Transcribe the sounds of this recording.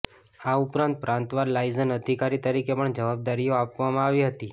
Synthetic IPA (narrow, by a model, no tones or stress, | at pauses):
aupɾãnt̪̚pɾãnt̪ʋaɾlaizənəd̪ʱikaɾit̪əɾikepəɳd͡ʒəʋab̚d̪aɾijoapʋamãaʋiɦət̪i